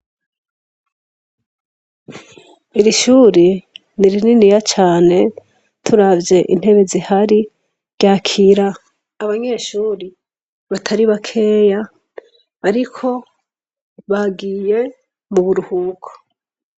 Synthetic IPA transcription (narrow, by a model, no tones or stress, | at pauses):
iɾiʃuːɾi | niɾininijat͡ʃaːne̞ | tʰuɾavje̞ʔin̥he̞βe̞zihaɾi | ɾɟaːkʰiɾa | aβaɲe̞ːʃuːɾi | βatʰaɾiβakʰe̞ːjaː | ɾikʰo̞ | βaɡiːje̞ | muβuɾuhukʰo̥